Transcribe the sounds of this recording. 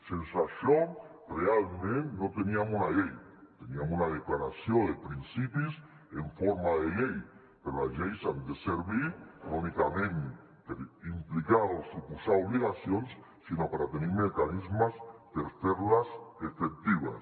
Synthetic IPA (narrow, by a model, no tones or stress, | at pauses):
sensasjon | realmẽnt̪not̪eniamunaʎej | t̪eniamunaðeklaɾasjond̪epɾinsipis | eɱfoɾmaðelej | peɾolazʎejsand̪eseɾβiɾonikamẽn | t̪eimplikaðosupusaoβliɣasjons | sinopaɾat̪eneɾmekanizmasp̪eɾθeɾlasefek̚t̪iβa̰s